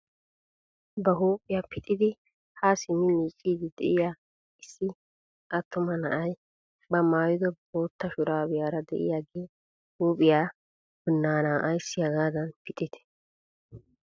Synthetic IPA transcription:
bɐɦuːpʼɪjaːpɪt̪ʼɪd̪ɪ | haːsɪmɪmiːt͡ʃʼːiːd̪ɪd̪ɛʔɪjaː | ɪsːɪ | ʔɐt̪ːʊmɐnɐʔɐj | bɐmaːjʊd̪ɔboːt̪ːɐʃʊɾaːbɪjaːɾɐd̪ɛ̰ʔɪ̰jaːɡeː | huːpʼɪjaː | bɪnːaːnaːʔɐjsɪjɐɡaːd̪ɐnpɪt̪ʼːɪt̪ɛ̥

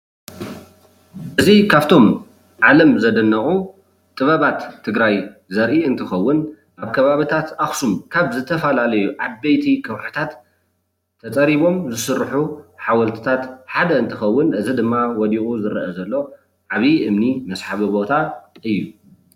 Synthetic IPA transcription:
ʔɨzikʰaβt̪ʰo̞m | ʕalɐmzɐd̪ɐnːɐχʼu | t̪ʼɨβɐβat̪ʰːɨɡɾaj | zɐɾʔiɨnt̪ʰɨxɐwːʊn | ʔaβkʰɐβaβit̪ʰat̪ʔaxsumkʰaβzɨt̪ʰːɐfɐlalɐjuʔabːɐjt̪ʰikʰɐwħɨ̥t̪ʰat̪ʰː | ɐt͡sʼɐɾiβo̞mzɨsɨɾːħuħawɐlt̪ʰɨ̥t̪ʰat̪ħad̪ɐɨnt̪ʰɨxɐwːʊnʔɨzid̪ɨmːawɔd̪iχʼuzɨɾʔɐzɐlːo̞ | ʕaβiʔɨmnimɐsħaβibo̞t̪ʰaʔɨjːu

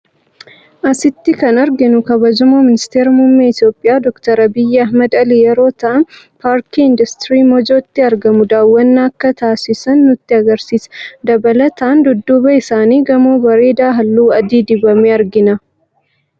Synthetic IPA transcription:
ʔɐsɪt̪ːɪkɐnɐɾɡɪnʊkɐbɐd͡ʒɐmoːmɪnɪst̪eːɾɐmʊmːeːɪt̪jo̞ːpʼːɪjaːd̪ɔkt̪ɐɾɐbɪjːɛɐhmɐd̪ɐlijɛɾo̞ːt̪ɐʔɐn | paːɾkiɪnd̪ɐst̪ɾiːmɔd͡ʒo̞ːt̪ːɪɐɾɡɐmʊd̪aːwːɐnːaːɐkːɐt̪aːsɪsɐnːʊt̪ːɪɐɡɐɾsiːsd̪ɐbɐlɐt̪ʰɐʔɐnd̪ʊd̪ːʊbɐɪsaːniːɡɐmoːbɐɾe̞ːd̪aːɦɐlːuːɐd̪iːd̪ɪbɐmeːɐɾɡɪnɐ

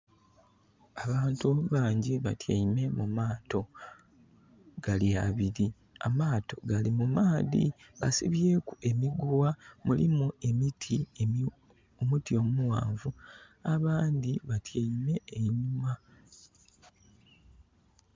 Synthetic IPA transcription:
aβaːntuβaːɲɟiβatʰjaime̞mumaːtʰo̞ | ɡ̥aljaβiɾi | a̰maːto̞ɡalimumaːðḭ | βasḭβje̞ːkue̞miɡwamulḭmue̞mitʰi | omutio̞muwa̰ːɱvu | aβaːnd̪iβatjaime̞ːɲuma

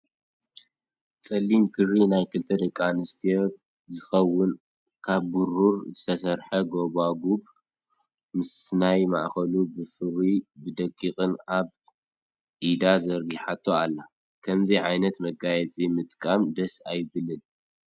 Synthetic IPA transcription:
t͡sʼɐlːimkʰɨrinajkʰɨlt̪ʰɐd̪ɐkʼːanɨst̪ʰijo | zɨxɐwːʊn | kʰaβːuɾuɾzɨt̪ʰɐsɐɾħɐɡo̞βaɡub | mɨsnajma̰ʔxɐlubɨfɨɾibɨd̪ɐkʼːixʼɨnaβ | ʔid̪azɐɾɡiħat̪ʰːoalːa | kʰɐmziʕajnɐt̪mɐɡajɛt͡sʼimɨt̪ʼkʼamd̪ɐsajβɨlɨl

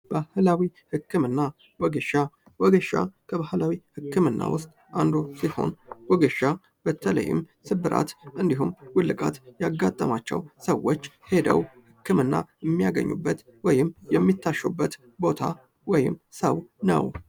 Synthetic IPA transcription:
bahlawihɨkːɨmɨnːa | wɔɡəʃa | wɔɡəʃa̰kʰəβahlawihɨkːɨmɨnːa̰wʊst̪ʼʔand̪o̞siho̞̰nwɔɡəʃa | b̥ət̪ʰələ̰jːɪ̰m | sɨbɨɾʔa̰t̪ʔɨnd̪iɦumwʊlːɨkʼa̰t̪jaɡːat̪ʼːəmat͡ʃːɛ̰wsəwːot͡ʃː | he̞d̪ə̰whɨkʰːɨmɨnːajɛmːijaɡə̰ɲːṵbːət̪ | wɔjɪmːjɛmːit̪ʰːaʃːubːət̪ | bo̞t̪ʰa | wɔjɪ̰mːsəwnə̰w

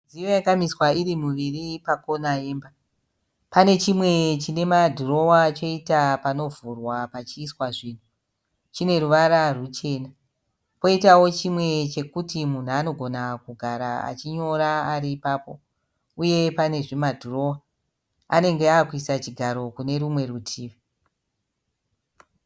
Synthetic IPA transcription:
d͡zijojakamiswaiɾimuʋiripako̞naemba | pane̞t͡ʃimwe̞t͡ʃine̞madʱuro̞wat͡ʃo̞itapano̞vurwapat͡ʃiːswaʐiːn̤u | t͡ʃine̞ɾuʋaɾarut͡ʃe̞ːna | po̞itawo̞t͡ʃimwe̞t͡ʃe̞kutimun̤uano̞ɡʱo̞nakuɡʱaɾaa̰t͡ʃiɲo̞ɾaaɾiːpaːpo̞ | uje̞pane̞ʐimadʱuro̞wa | a̰ne̞ŋɡeakuisat͡ʃiɡʱaɾo̞kune̞ɾumwe̞rutʰiːʋi

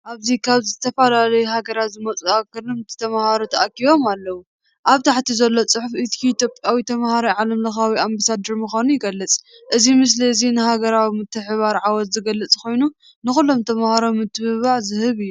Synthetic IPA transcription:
ʔaβzikʰaβzɨzɨt̪ʰɐfɐlalɐjuɦaɡɐɾat̪zɨmɐt͡sʼuakɨɾɨmɨt̪ʰɨ̥t̪ʰɐmahaɾot̪ʰɐʔakiβo̞malːɐwu | ʔaβt̪ʰaħt̪ʰizɐlːo̞t͡sʼɨħufit̪kʰiit̪ʰjo̞pʼjawit̪ʰɐmahaɾiʕalɐmlɐxawiambasad̪ɐɾmuxʷanujɪɡɐlːɨt͡sʼ | ʔɨzimɨs̬liɨzinɨhaɡɐɾawimɨt̪ʰːɨħβaɾʕawɔt̪zɨɡɐlːɨt͡sʼko̞jnu | nɨxulːo̞mt̪ʰɐmahaɾo̞mːɨt̪ʰːɨβɨβaʕzɨhɨβɨjːu

